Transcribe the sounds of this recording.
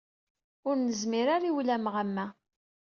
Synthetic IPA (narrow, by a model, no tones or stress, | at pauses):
ʊɾnəzmiɾaɾiwlæmʁæmːæ